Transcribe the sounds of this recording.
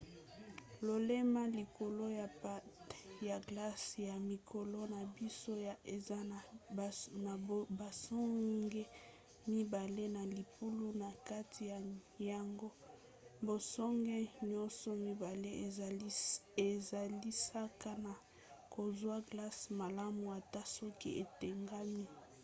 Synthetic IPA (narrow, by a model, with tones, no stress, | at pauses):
lo˨le˦ma˦li˨ko˨lo˦ja˨pa˦tja˨ɡla˦sja˨mi˨kʰo˨lo˦na˨bi˦so˦˨e˨a˦˨ | na˨ba˨sɔ˦ɡe˦ | mi˦ba˨le˦na˨li˨pu˦lu˦na˨ka˦tʰi˨ja˨ja˨ŋɡo˦ | bo˨sɔ˦ŋɡe˦ɲɔ˦nsɔ˨mi˦ba˨le˦˨˦ | e˨za˨li˦sa˦ka˦na˨ | ko˨zwa˦ɡla˦sma˨la˦mu˨a˨ta˦sɔ˦ki˦ʔe˨te˨ŋɡa˦mi˦